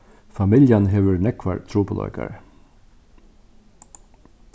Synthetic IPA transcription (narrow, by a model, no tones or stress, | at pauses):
famɪljanɦeːʋəɹnɛkʋa̰ɹt̪ʰɾuːpʊlɔ̰ʏka̰ɹ